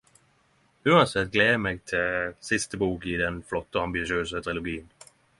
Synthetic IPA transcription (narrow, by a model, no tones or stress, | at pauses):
ʉːɑnsɛt̪̚ːɡleːmeːɡ̚t̪ʰɪsɪst̪əbuːkɪd̪ɛnflɔt̪ːəɔɑmbɪʃɪøːsət̪ʰɾɪlʊɡiːən